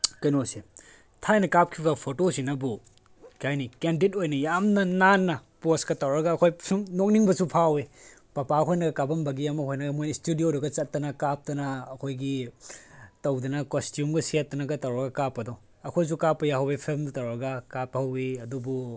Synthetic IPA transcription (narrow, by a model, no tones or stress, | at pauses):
kɐjnose | tʰajnɐkap̚kʰiβɐpʰotosinɐbu | kajnikendit̚ojnɐjamnɐnanːɐposkɐtɐwɾɐɡɐːkʰojsʰuŋnok̚niŋbɐsupʰawe | pɐpaɡkʰojnɐɡɐkabɐmbɐɡijamɐkʰojnɐɡɐmojnɐstudijodɐɡɐt͡ʃɐt̚ːɐnɐkap̚tɐnɐːkʰojɡi | tɐwdɐnɐkostjumɡɐsiatːɐnɐɡɐtɐwɾɐɡɐkapːɐdɔ | ɐkʰojs̬ukapːɐjaɦɐwipʰelmdutɐwɾɐɡɐkapːɐhɐwiɐdubu